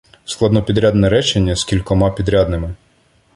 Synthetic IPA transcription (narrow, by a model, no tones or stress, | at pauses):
sklˠɑd̪nɔpʲid̪ɾʲad̪nɛɾɛt͡ʃenʲːɐskʲilʲkɔmɑpʲid̪ɾʲad̪nɪmɪ